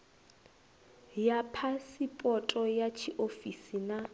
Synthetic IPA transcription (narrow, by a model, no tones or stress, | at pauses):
japʰasipʼɔtʼɔjat͡ʃʰiʔofisina